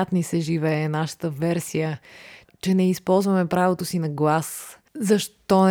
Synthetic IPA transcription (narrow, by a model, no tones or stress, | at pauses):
at̪nisɛʒivɛɛnaʃə̥t̪əvɛɾsijə | t͡ʃɛnɛispɔlˠzvɐmɛpɾavot̪osinɐɡlˠas | zɐʃt̪ɔ